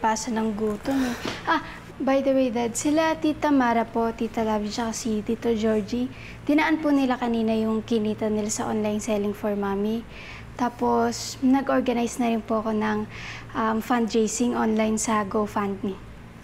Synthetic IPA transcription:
paːsɐnɐŋɡuːt̪onɛʔa | bɐjd̪ɐwejd̪ɐd̪sɪlat̪iːt̪ɐmaːɾɐpo̞t̪iːt̪ɐlaːbit͡ʃɐkasit̪iːt̪od͡ʒoɹd͡ʒi | d̪̥ɪnɐʔanpunɪlakɐniːnɐjʊŋkɪniːt̪ɐnɪlasɐʔonlajnsɛlɪŋfɔɹmaːmi | t̪aːpo̞snɐɡʔo̞ɹɡɐnajsnɐɾɪnpoʔɐko̞nɐŋ | ʔɐmfand̪̚ɾejsɪŋʔonlajnsɐɡofand̪̚nɪ

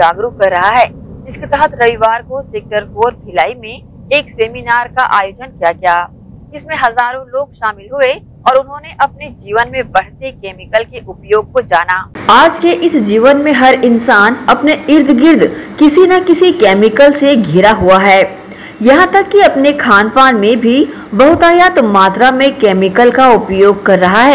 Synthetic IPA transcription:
d͡ʒaːɡɾukɐɾːɐɦaɦɛːd͡ʒɪsket̪ɛɦət̪ʰɾɐʋiʋaːɾkoseːk̚ʈəɾkoːɾbʰɪlaːimẽ | eːkseːminaːɾkaʔa̰ːjoːd͡ʒənkijakijaː | ɪsmẽɦɐzaːɾõloːɡʃaːmɪlɦʊe | ɔːɾʊnɦõːneʔɐpned͡ʒiːʋənmẽbɐɽ̤t̪ekɛːmɪkəlkeʔʊpjoːɡ̚kod͡ʒaːnaːaːd͡ʒkeʔɪsd͡ʒiːʋənmẽɦɐɾɪnsaːnɐpneɪɾd̪ʱɡɪɾd̪ʱkɪsinakɪsikɛːmɪkəlseɡʱɪɾaɦuaɦɛː | jɐɦãt̪ɐkːiɐpnekʰaːnpaːnmẽbʱi | bɐɦʊt̪aːjaːt̪maːt̪ɾamẽkɛːmɪkəlkaʊpjoːɡ̚kɐɾːɐɦaɦɛː

